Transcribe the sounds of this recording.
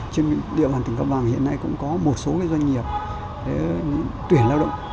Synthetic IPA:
t͡ɕe˧n˧ɗḭ˧˨ɓaː˨˩nt̪i˨˧˩ŋkə˧p̚ɓaː˨˩ŋhḭ˧˨əna˧jkʊ̰˧˥ŋ͡mkɔ˨˦mo˨˩t̚so˨˦kːza˧jɲ̟ŋi˨˩əp̚ | ɗe˨˦ɲ˧˥t̪wi˧˩ənlaː˧wɗə̰˧˨ŋ͡m

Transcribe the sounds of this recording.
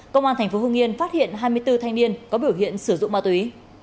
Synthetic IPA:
kə˧wŋ͡mʔaː˧t̪ʰɛ˧˩jŋ̟fo˨˦ɦɨ˧ŋi˧ənfaː˦˥t̚hḭ˧˨ənɦaː˧jmɨ˧əjt̪ɨ˧t̪ʰa˧jŋni˧ənkɔ˨˦ɓi˧˩əwɦḭ˧˨ənsɨ˧˩zʊ̰˧˨ŋ͡mma˧t̪wi˨˦

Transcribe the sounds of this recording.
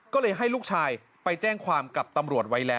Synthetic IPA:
kɔː˥˩lɤː˧jɦa˥˩jluː˥˩k̚t͡ɕʰaː˧j | pa˧jt͡ɕɛː˥˩ŋkʰwaː˧mka˨˩p̚t̪a˧mɾu˨˩ət̪̚wa˦˥jlɛː˦˥

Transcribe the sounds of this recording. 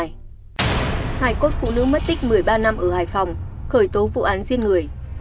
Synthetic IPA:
j | haː˨˩jko˦˥t̚fṵ˧˨nɨ̰˧˥mə˦˥t̚t̪ï˦˥k̟̚mɨ˨˩əjɓaː˧na˧mʔəː˧˩haː˨˩jfa˨˩wŋ͡mxəː˧˩jt̪o˨˦vṵ˧˨ʔaː˨˦nzi˧ənŋɨ˨˩əj

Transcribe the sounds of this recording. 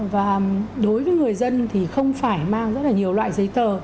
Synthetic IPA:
vaː˨˩ɗo˨˦jvəː˨˦jŋɨ˨˩əjzə˧nt̪ʰi˨˩xə˧wŋ͡mfaː˧˩jmaː˧ŋzə˦˥t̚laː˨ɲi˨˩əwlwa̰ː˧˨jzə˨˦jt̪əː˨˩

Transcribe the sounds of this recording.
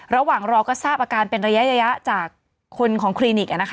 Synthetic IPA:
ɾa˧waː˨˩ŋɾɔː˧kɔː˥˩saː˥˩p̚ʔaː˧kaː˧npe˧nɾa˧ja˦˥ʔɾa˧ja˦˥ʔt͡ɕaː˨˩kʰː | o˧nkʰɔː˩˦ŋkʰɾiː˧ni˨˩k̚ʔa˨˩na˦˥k

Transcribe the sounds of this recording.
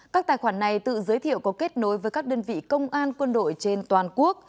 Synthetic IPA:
kaː˦˥k̚t̪aː˨˩jxwaː˧˩nːa˨˩jt̪ɨ̰˧˨zəː˨˦jt̪ʰḭ˧˨ə˨wkɔ˨˦ke˦˥t̚no˨˦jvəː˨˦jkaː˦˥k̚ɗəː˧nvḭ˧˨kə˧wŋ͡mʔaː˧nkwə˧nɗo̰˧˨jt͡ɕe˧nt̪waː˨˩nku˦˥ək̚

